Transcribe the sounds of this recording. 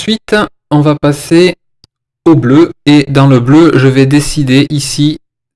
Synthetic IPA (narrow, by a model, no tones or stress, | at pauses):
sɥit̪ | ɔ̃vapase | obløed̪ɑ̃ləbløʒəvɛd̪esid̪eʔisi